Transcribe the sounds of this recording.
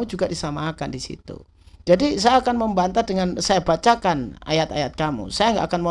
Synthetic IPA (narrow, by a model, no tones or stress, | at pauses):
ud͡ʒuɡadisamakandisḭt̪ṵ | d͡ʒadisajaːkanməmbant̪adəŋansajabat͡ʃakana̰jat̪a̰jat̪̚kamṵsajaŋɡa̰ʔakanmo